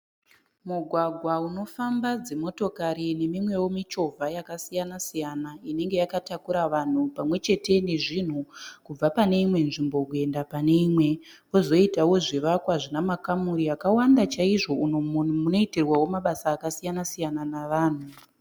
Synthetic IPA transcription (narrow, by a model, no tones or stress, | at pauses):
muɡʱwaɡʱwauno̞fambad͡zemo̞to̞kaɾine̞mimwe̞wo̞mit͡ʃo̞vʱajakasijanasijanaine̞ŋɡe̞jakatakuɾaʋan̤upamwe̞t͡ʃe̞te̞ne̞ʐin̤ukub͡vapane̞imwe̞nʐimbo̞kue̞ndapane̞imwe̞ | o̞zo̞itawo̞ʐiʋakwaʐinamakamuɾiakawandat͡ʃaiʐo̞uuno̞iterwawo̞maɓasaːkasijanasijananaʋaːn̤u